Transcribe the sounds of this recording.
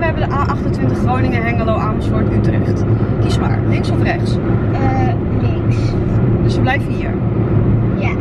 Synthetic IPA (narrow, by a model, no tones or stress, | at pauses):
ʋəɛbəndəʔaːʔɑχtəntʋɪntəχrownɪŋəɦɛŋəlowʔaːnəsʊɹtytərɛ̰χtkisma̰ːɹlɪŋksɔfrɛχs | lɪŋ | dəsʋəblɛjvənɦiːɹ | ja